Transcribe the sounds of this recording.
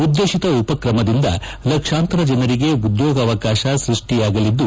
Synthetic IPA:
ud̪ːeːʃit̪ɐupɐkɾɐmɐd̪ind̪ɐ̰ | lɐkʂaːnt̪ɾɐd͡ʒɐnɐɾiɡe̞ud̪joːɡɐːʋɐkaːʃɐsɾiʂʈijaːɡɐlid̪ːu

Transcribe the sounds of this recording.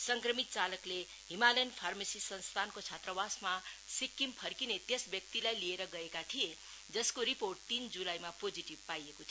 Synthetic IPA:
sʌŋkrʌmit̪̚t͡salʌkle | ɦimalʌjnpʰarmesisʌnst̪ʰankot͡sʰat̪rʌbasmasikːimpʰʌrkinet̪jesbjʌk̚t̪ilajlieɾʌɡʌekat̪ʰie | d͡zʌskoɾiporʈ̚t̪ind͡zulajmapod͡ziʈib̚pajekot̪ʰ

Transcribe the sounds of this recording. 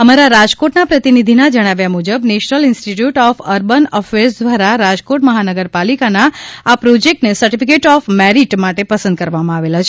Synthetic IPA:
əmaɾaɾad͡ʒkoʈnapɾət̪inid̪ʱinad͡ʒəɽ̃aʋjamud͡ʒəbneʃnəlɪnsʈiʈjuʈɔfəɾbənɔfeɾsd̪ʋaɾaɾad͡ʒkoʈməɦanəɡəɾpalikanaapɾod͡ʒek̚ʈnesəɾʈifikeʈɔfmɛɾiʈmaʈepəsə̃nd̪̚kəɾʋamãaʋelat͡ʃʰe

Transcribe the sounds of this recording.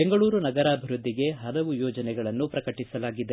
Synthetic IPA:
beŋɡɐɭuːɾunɐɡɐɾaːbʱiɾud̪ʱːiɡe̞ɦɐlɐʋujɔːd͡ʒɐnɛɡɐɭɐnːupɾɐkɐʈisɐlaːɡid̪e

